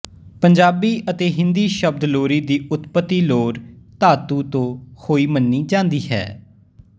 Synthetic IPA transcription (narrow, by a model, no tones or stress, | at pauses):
pəɲd͡ʒaːbiːʔət̪eːɦɪ̃nd̪iːʃəb̚d̪loːɾiːd̪iːʔʊt̪pət̪ːiːloːɾt̪aːt̪ũːt̪õːhoːiːmənːiːd͡ʒãːnd̪iːɦɛ̰ː